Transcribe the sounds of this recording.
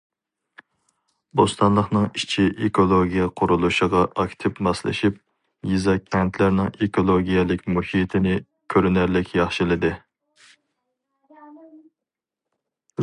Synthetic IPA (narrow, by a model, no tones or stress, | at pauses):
bost̪ʰɑnlˠəχnɨŋit͡ʃʰiʔekʰolˠoɡʲijɛqʰʊɾulˠuʃəʁɑʔɑkʲt̪ʰɪpmɑslˠɪ̰ʃip̚ | jizɑkʲʰɛnt̪ʰlɪɾnɪŋekʰolˠoɡʲijɛlɪkʲmuhit̪ʰɪnɪ | kʲʰøɾynæɾlɪkʲjɑχʃilˠɨd̪ɨ